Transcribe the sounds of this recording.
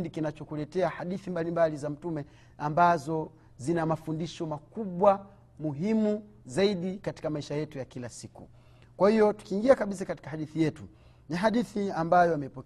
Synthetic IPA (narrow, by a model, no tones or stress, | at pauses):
ndikinat͡ʃɔkulɛtɛahaɗiθimbalimbalizam̩tumɛ | ambazɔ | zinamafundiʃɔmakuɓwa | muɦimu | zaiɗikati̥kamaiʃajɛtujakilasikṵ | kwahijɔtu̥kiːŋɡiakaɓisakati̥kahaɗiθijɛtu | niɦaɗiθiambajɔamɛipɔ